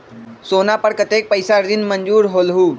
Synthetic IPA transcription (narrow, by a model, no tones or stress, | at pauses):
soːnapəɾkət̪eːk̚pəjsaɾd͡ʑinməɲd͡ʑuːɾɦoːlɦuː